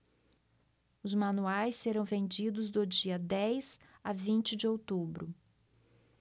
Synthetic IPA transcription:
ʊzmɐ̃nuajsːeɾɐ̃w̃vẽnd͡ʒid̪ʊzd̪ʊd͡ʒiɐd̪ɛjz̥avĩnt͡ʃɪd͡ʒɪowt̪ubɾʊ̰

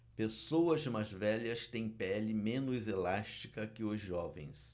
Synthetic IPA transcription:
pesowɐzmazvɛʎɐst̪ẽj̃pɛlɪmẽnʊzelaʃt͡ʃikɐkɪʊzʒɔvḛ̃j̃s

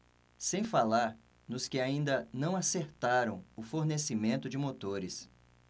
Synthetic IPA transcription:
sẽj̃falaɾ | nʊskɪaĩnd̪ɐnɐ̃w̃aseɾt̪aɾɐ̃w̃ʊfoɾnesɪmẽnt̪ʊd͡ʒɪmot̪oɾɪs

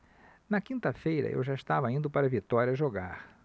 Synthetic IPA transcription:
nɐkĩnt̪ɐfejɾɐ̰ʔḛwʒaist̪avɐĩnd̪ʊpaɾɐvit̪ɔɾiɐʒoɡa̰ɾ

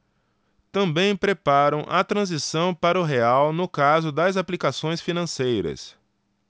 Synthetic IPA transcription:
t̪ɐ̃mbẽj̃pɾepaɾɐ̃w̃ʔɐt̪ɾɐ̃zisɐ̃w̃paɾɐʊɦeawnʊkazʊd̪ɐzaplikasõj̃sfinɐ̃sejɾɐ̰s

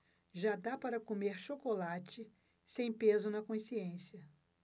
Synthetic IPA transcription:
ʒad̪apaɾɐkomeɾʃokolat͡ʃɪ | sẽj̃pezʊnɐkõsiẽsiɐ

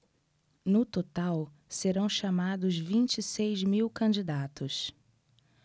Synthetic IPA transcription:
nʊt̪ot̪aw | seɾɐ̃w̃ʃamad̪ʊzvĩt͡ʃisejzmiwkɐ̃nd͡ʒid̪at̪ʊs

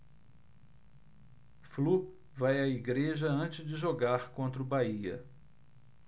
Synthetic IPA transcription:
flu | vajɐiɡɾeʒɐɐ̃t͡ʃɪzd͡ʒɪʒoɡaɾkõnt̪ɾɐʊbaiɐ̰

